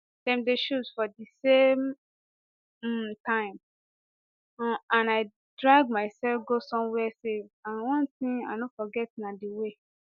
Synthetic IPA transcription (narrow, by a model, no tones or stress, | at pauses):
tɛ̃mdeʃuzfɔdisem | tʰãɪ̃m | ɔ̃ãnaɪ | dɹaɡ̚maɪsɛlfɡosɔ̃mwɛsevãnwɔ̃nθĩŋa̰nofɔɡɛtnãdiwe